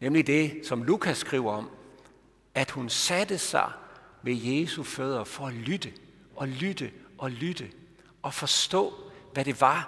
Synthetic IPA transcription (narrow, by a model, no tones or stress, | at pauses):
nemlid̥e̝sɒ̽mlukʰæsɡ̥ʁiʊ̰ɐɒ̽m | æd̥hunsæd̥əsɑ̈ɪmejeːsuføð̞ˠɐfɒ̽ælyd̥ə | ʔɒ̽lyd̥əʔɒ̽lyd̥ə | ɒ̽fɒ̽sd̥ɔ̰̽ːʋæɾ̥e̝ʋɑ̈